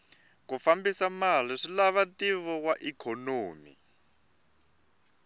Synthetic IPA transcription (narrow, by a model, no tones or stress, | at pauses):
kufambisamaliʂilaβatiβɔkwaʔikʰonoːmḭ